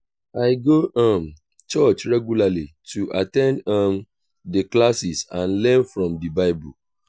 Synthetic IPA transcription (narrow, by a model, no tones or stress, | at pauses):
aɪɡoʔɔ̃m | t͡ʃɔt͡ʃɹɛɡjulali | tʰuʔatɛ̃ndʌm | dəklasisãnlɛ̃nfɹɔ̃mdibaɪbṵ